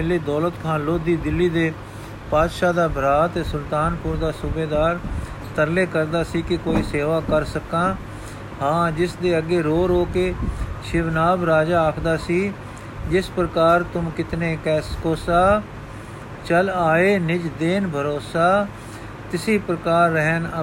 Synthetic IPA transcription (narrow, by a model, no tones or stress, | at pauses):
leːd̪ɔːlət̪kʰãːloːd̪iːd̪ɪlːiːd̪eː | paːd̪ʃaːd̪aːbʱəɾaːt̪eːsʊlt̪aːnpʊɾd̪aːsʊbeːd̪aːɾst̪əɾleːkəɾd̪aːsiːkɪkoːiːseːʋaːkəɾsəkãː | hãːd͡ʒɪsd̪eːəɡeːɾoːɾoːkeːʃɪʋnaːbɾaːd͡ʒaːəkʰd̪aːsiː | d͡ʒɪspɾəkaːɾt̪ʊmkɪt̪neːkɛːskoːsaː | t͡ʃəlaːeːnɪd͡ʒd̪eːnbʱəɾoːsaː | t̪ɪsiːpɾəkaːɾːəɦnə